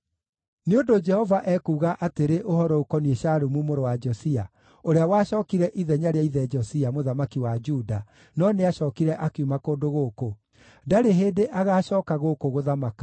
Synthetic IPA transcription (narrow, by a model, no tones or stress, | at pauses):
neondod͡ʒɛhɔvaʔɛkuːɣaʔateɾeʔohɔɾɔokɔnieɕaɾumumoɾowad͡ʒɔsia | oɾeawaʃɔːkiɾɛʔiðɛɲaɾeaiðɛd͡ʒɔsiamoðamakiwad͡ʒuːda | nɔneaɕɔːkiɾɛʔakumakoːdoɣoːko | daɾeɦeːdeʔaɣaːʃɔːkaɣokoɣoðamakḁ